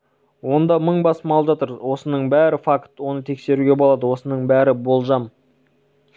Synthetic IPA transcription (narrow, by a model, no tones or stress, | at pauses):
wo̞nd̪ɑməɴbɑsəmɑlˠəpʒɑt̪əɾwo̞sənəɴbæɾɪfakt̪wo̞nət̪ʰe̞kse̞ɾuɡʲe̞bolˠɑd̪əwo̞sənəɴbæɾɪbo̞lˠʒɑm